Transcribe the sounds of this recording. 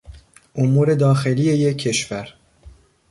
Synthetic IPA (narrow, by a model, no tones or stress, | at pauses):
ʔomuːɾe̞d̪ɒːxe̞liːe̞jekʰːe̞ʃvæɾ